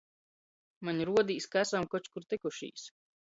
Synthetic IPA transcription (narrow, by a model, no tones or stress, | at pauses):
maɲɾuɔd̪iːskaæsamkɔt͡ʃkuɾt̪ikuʃḭːs